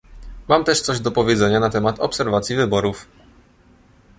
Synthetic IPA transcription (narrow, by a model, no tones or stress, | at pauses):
mamt̪ɛʂt̪sɔʑd̪ɔpɔvʲjɛd̪zɛɲanat̪ɛmat̪ɔpsɛɾvat̪sʲjivɘbɔɾuf